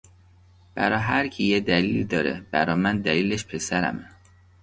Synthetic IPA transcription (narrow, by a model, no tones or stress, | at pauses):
b̥æɾɒːɦæɾcʰijed̪æliːlid̪ɒːɾḛb̥æ̰ɾɒːmænd̪æliːleʃpʰe̞sæɾæ̰me